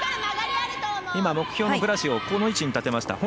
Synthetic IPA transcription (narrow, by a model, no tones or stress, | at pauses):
imamo̞kɯ̟̥çʲo̞ːnokɯɾasio̞ko̞no̞it͡ɕiɲ̟it̪at̪e̞maɕi̥t̪a̰ho